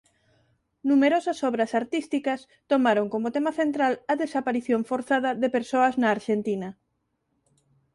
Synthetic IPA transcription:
numeɾosɐsɔβɾɐsaɾt̪ist̪ikɐs | t̪omaɾoŋkomʊt̪emɐθent̪ɾalɐðesapaɾiθjoɱfoɾθaðɐðepeɾsoɐznɐːɾʃent̪inɐ

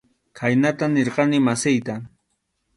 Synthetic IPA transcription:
kʰajnat̪aneɾqɑnɪmasɪjt̪a

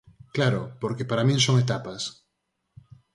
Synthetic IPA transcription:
klaɾopoɾkepaɾamĩŋsoŋet̪̬apas

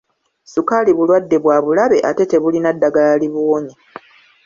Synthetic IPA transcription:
sukaliβulwadːe̞βwaːβulaβe̞ʔate̞te̞βulinadːaɡalaliβoːɲa

